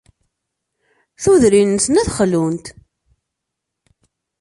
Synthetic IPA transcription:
θuðɾinsnæθχlunt̪

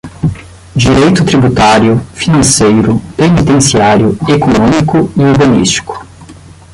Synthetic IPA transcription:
d͡ʒiɾejt̪ʊt̪ɾibut̪aɾjʊfinɐ̃sejɾʊpenit̪ẽsiaɾjʊekonõmikʊiuɾbɐ̃nḭst͡ʃi̥kʊ̥

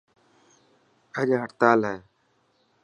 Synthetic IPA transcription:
əʄɦəʈt̪aːlɦɛː

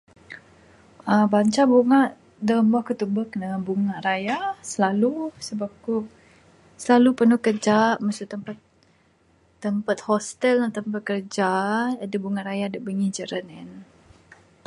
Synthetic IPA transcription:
əbaɲt͡ʃabuŋaʔ | dəmbahkut̪ubəhknəbuŋaʔɾajasəlalusəbaku | səlalupərnuhkərd͡ʒaʔməsʊt̪əmpat̪ | əmpat̪̚hɔst̪əlnat̪əmpat̪̚kərd͡ʒaadəbuŋaʔɾajadəʔbəŋihd͡ʒəɾənɛn

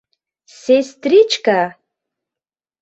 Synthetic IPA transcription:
sest̪rit͡ʃka

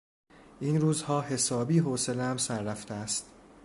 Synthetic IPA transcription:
ʔiːnɾuːzhɒːhe̞sɒːbiːɦoːselæmsæɾːæft̪eæst̪

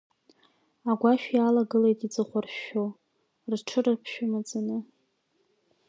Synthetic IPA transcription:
aɡʷaʃᶣialaɡɨle̞jtʼid͡zʼɨχʷarʃo | rʈ͡ʂʰɨrɨrpʰʃᶣʊmad͡zʼanɨ

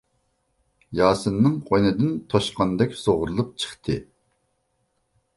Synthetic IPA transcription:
jɑːsɨnːɨŋqʰojnɨd̪ɪnt̪ʰoʃqɑnd̪ɛkʲsoʁɾlˠup̚t͡ʃʰə̥χt̪ʰɨ

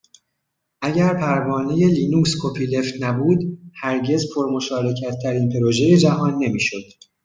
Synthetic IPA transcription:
ʔæɟæɾpʰæɾvɒːne̞je̞liːnuːkskʰopʰiːle̞ft̪næbuːd̪hæɾɟe̞zpʰo̞ɾmo̞ʃɒːɾe̞cʰæt̪ʰːæɾiːnpʰe̞ɾo̞ʒe̞je̞d͡ʒæɦɒːnːe̞miːʃo̞d̪̥

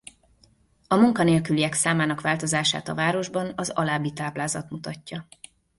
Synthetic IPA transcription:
ɒmuŋkɒneːlkyliɛksaːmaːnɒkʋaːlt̪o̞zaːʃa̰ːt̪ɒ̰vaːɾo̞ʒbɒnɒzɒlaːbːit̪aːblaːzɒt̪mut̪ɒcːɒ

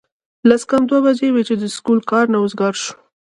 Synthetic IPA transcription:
laskamd̪wawad͡ʒewet͡ʃed̪əskulkɑɾnaʊzɡɑɾʃu̥

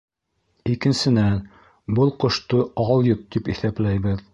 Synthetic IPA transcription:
ikɘ̆nsɘ̆næn | bɤlˠqŏʃt̪oɑlˠjɤp̚t̪ipiθæplæjbɘð

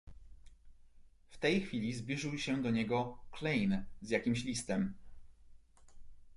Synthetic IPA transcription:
ft̪ɛjxfʲilʲizblʲiʐɘwɕɛd̪ɔɲɛɡɔklɛjnzjakʲimɕlʲist̪ɛm

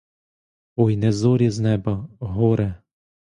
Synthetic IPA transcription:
ɔjnɛzɔɾʲiznɛbɐɦɔɾɛ

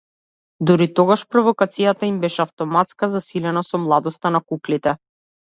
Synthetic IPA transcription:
d̪uɾit̪ɔɡaʃpɾɔvɔkat̪sijat̪aimbɛʃɛaft̪ɔmat̪skazasilɛnasɔmlˠad̪ɔst̪anakuklit̪ɛ

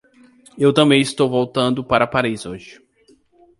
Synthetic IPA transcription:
ewt̪ɐ̃mbẽj̃ɪst̪owvowt̪ɐ̃nd̪ʊpaɾɐapaɾizoʒɪ

